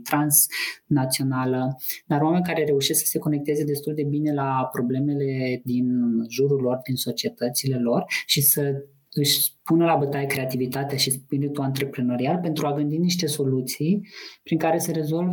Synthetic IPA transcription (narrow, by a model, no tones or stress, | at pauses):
t̪ɾansnat̪sio̞naləd̪aɾwame̞nʲkaɾe̞ɾe̞uʃesksə̥se̞ko̞ne̞k̚t̪e̞ze̞d̪e̞st̪uld̪e̞bine̞lapɾo̞ble̞me̞le̞d̪inʒuɾulo̞rd̪inso̞t͡ʃie̞t̪ət̪sile̞lo̞rʃisə | ɨʃʲpunəlabət̪ajekɾe̞at̪ivit̪at̪eaʃispiɾit̪uant̪ɾe̞pɾeno̞ɾialpe̞nt̪ɾuaɡɨnd̪iniʃt̪e̞so̞lut̪sijpɾiŋkaɾe̞seɾe̞zo̞lv